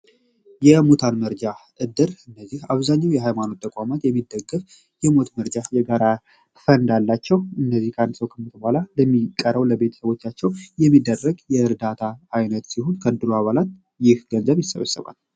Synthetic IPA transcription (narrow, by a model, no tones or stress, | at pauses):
jɛmot̪ʰanməɾd͡ʒaʔɨd̪ɨɾɨnːəzːihaβzaɲːawjɛɦajmano̞t̪ːəkʼamat̪jɛmːid̪ːəɡːɨf | jɛmo̞t̪məɾd͡ʒajɛɡaɾa | fənd̪alːat͡ʃːɛwɨnːəzːihkʰand̪səwkʰəmːət̪ʰəbhʷalaləmːikʼːəɾəwləbe̞t̪ʰə̥səβo̞t͡ʃːat͡ʃːɛwjɛmːid̪ːərːəɡjɛɨɾd̪at̪ʰaːjnət̪siho̞nkʰəɨd̪ɨɾuaβalat̪̚ | jɪhɡ̥ənzəβjɪsːəβə̰sːə̰βa̰l